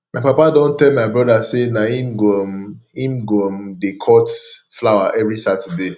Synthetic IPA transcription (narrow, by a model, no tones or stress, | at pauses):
maɪpapadɔ̃ntɛlmaɪbɹɔdasenaimɡɔmĩmɡɔmdekʰɔtflawaʔɛvɾisatɛde